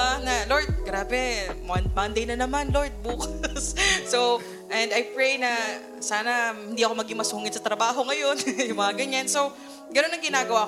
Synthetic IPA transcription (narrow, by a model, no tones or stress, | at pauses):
analoɹd̪̚ɡɾaːbɛmɐnmɐnd̪ejnɐnɐmanlo̞ɹd̪̚buːkɐsːow | ʔɛnd̪ɐjpɹejnɐ | saːnɐhɪnd̪iːɐko̞mɐɡɪŋmɐsuːŋɪd̪sɐt̪ɾɐbaːɦo̞ŋɐjo̞njʊŋmɐŋɐɡɐɲanso̞w | ɡɐno̞nːɐŋɡɪnaːɡɐwaː